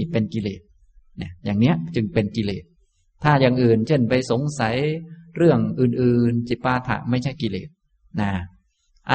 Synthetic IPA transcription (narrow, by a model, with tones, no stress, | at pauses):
pe˧nki˧lḛː˨˩t̪̚ | na˧˩jaː˨˩ŋni˦˥ɐʔt͡ɕɯ˧ŋpe˧nki˧leː˨˩t̪̚ʰː | aː˥˩ja˨˩ŋʔɯː˨˩nt͡ɕʰe˥˩npa˧jso˨˩˦ŋsa˨˩˦jɾɯ˥˩əŋʔɯː˨˩nʔɯː˨˧˩nt͡ɕi˨˩pːaː˧t̪ʰa̰˨˧˩ma˥˩jt͡ɕʰa˥˩jki˧lḛː˨˩t̪̚ | naː˧˩ | ʔa˧